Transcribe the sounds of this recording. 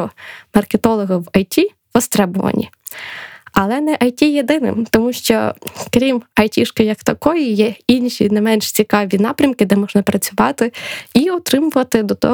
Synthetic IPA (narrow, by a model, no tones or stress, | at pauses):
ɔmɐrket̪ɔlˠɔɦɐwɐjtʲi | ʋɔst̪ɾɛbʊʋɐ̰nʲḭ | ɐlˠɛnɛʔɐjtʲijed̪ɪnɪ̰mt̪ɔmuʃt͡ʃɔ̰kɾʲimɐjtʲiʃkɔjɐkt̪ɐkɔjijɛinʲʃʲḭnɛmɛnʃt͡sʲikɑʋʲinɑpɾʲɐmkɪd̪ɛmɔʒnɐpɾɐt͡sʲʊʋɑt̪ɪiɔt̪ɾɪmʊʋɐt̪ɪd̪ɔt̪ɔ